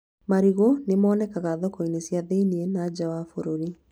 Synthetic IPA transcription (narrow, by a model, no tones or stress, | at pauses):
maɾiɣonemɔnɛkaɣaðɔkɔinesjaðeinienad͡ʑawafoɾoɾi